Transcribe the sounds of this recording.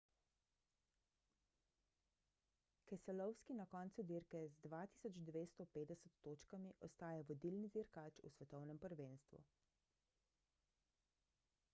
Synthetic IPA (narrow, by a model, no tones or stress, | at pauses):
kɛsɛlɔwskinakɔːnt̪sud̪iɾkɛzd̪ʋat̪i̥sɔd͡ʒd̪ʋeːst̪ɔpeːd̪ɛsət̪ːoːt͡ʃkamiʔɔst̪aːjaʋɔd̪ilniziɾkaːt͡ʃṵsʋɛt̪ɔwnɛmpəɾʋenst̪ʋṵ